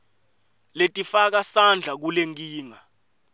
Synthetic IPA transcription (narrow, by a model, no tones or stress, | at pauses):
letʼifak̬asand͡ɮʱak̬uleŋk̬ʼiːŋa